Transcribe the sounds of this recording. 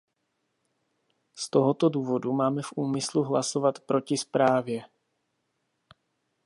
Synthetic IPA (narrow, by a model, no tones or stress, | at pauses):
st̪oɦot̪o̞duːvo̞dumaːmɛfʔuːmɪsluɦlaso̞vat̪pɾo̞cɪspɾaːvjɛ